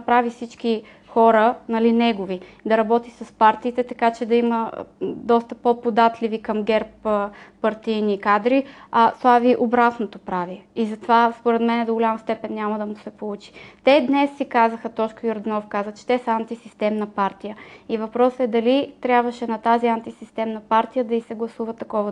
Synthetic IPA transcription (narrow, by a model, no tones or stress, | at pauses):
pɾavifsit͡ʃki | xɔɾənɐlinɛɡovid̪ɐɾɐbɔt̪isɐspaɾt̪iːt̪ɛt̪ɐkat͡ʃɛd̪ɐimə̰d̪ɔst̪əpopod̪at̪livikɐmɡɛɾpː | ɐɾt̪ijnikad̪ɾiɐslˠaviʔobɾat̪not̪opɾaviizɐt̪ovaspoɾɛt̪mɛnɛd̪oɡʊlʲamɐst̪ɛpɛnːʲamɐd̪ɐmusɛpolˠut͡ʃi̥t̪ɛd̪nɛsːikazəxət̪ɔt͡ʃkojoɾd̪ɛnɔfkazvət͡ʃɛ̥t̪ɛsɐant̪isist̪ɛmnəpaɾt̪ijəivɐpɾɔsɛd̪ɐlit̪ɾʲabvɐʃɛnɐt̪aziant̪isist̪ɛmnɐpaɾt̪ijəd̪ɐisɛɡlˠɐsuvɐt̪ɐkɔvə